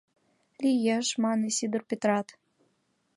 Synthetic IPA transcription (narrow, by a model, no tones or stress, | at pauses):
lʲijæʃmɑnesid̪ə̆rpʲet̪rɑt̪